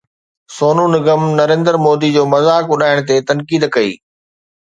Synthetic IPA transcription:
soːnunɪɡəmnɐɾẽːnd̪əɾmoːd̪id͡ʑoːmɐzaːkʊɗaːɪɽ̃t̪̬et̪ɐnkiːd̪kɐḭː

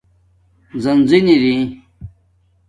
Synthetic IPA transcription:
zɐnziniɾĩ

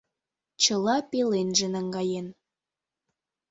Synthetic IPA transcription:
t͡ɕəlɑpelenʒĕnəŋɡɑjen

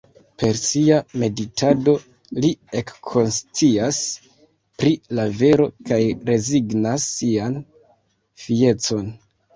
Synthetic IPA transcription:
pe̞ɾsiame̞ditʰado̞ | lie̞kʰːo̞nst͡sias | pɾilave̞ɾo̞kajɾe̞ziɡnasːian | fie̞t͡so̞n

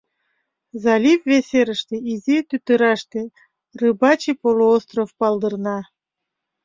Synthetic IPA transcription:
zɑlʲifveseɾəʃt̪eizit̪yt̪əɾɑʃt̪ĕ | rɨbɑt͡ɕipoloost̪rofpɑld̪ərnɑ

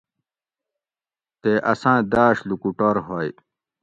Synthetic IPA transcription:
t̪eʔɐsãːd̪aːɕlukuʈoɾɦoj

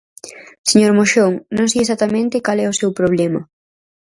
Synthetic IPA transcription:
seɲoɾmoʃoŋnõŋsiesat̪ɐmẽnt̪ɪkalɛʊsewpɾoβlɛmɐ

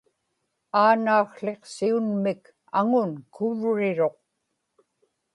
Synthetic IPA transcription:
aːnaːxɬe̞qsiunmɪk | aŋʊnkʰʊvɻɪɻo̞q

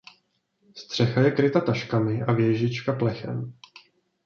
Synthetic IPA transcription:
st̪r̝̥ɛxajɛkɾɪt̪at̪aʃkamɪʔavjɛʒɪt͡ʃkaplɛxɛ̰m

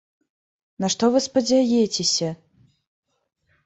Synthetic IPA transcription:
nɐʂt̪ɔvɨspɐd͡zʲajɛt͡sʲesʲɐ

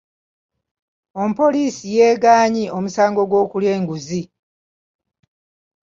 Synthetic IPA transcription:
ompo̞liːsijeːɡaːɲio̞musaːŋɡo̞ɡwo̞ːkuljeːŋɡuzi

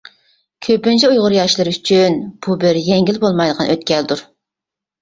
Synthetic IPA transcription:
kʲʰøpɪnt͡ʃʰɛujʁʊɾjɑʃlˠɨɾyt͡ʃʰynb̥ubɪɾjɛŋɡʲilbolˠmɑjd̪əʁqʰɑnʔøt̪kʲɛld̪uɾ

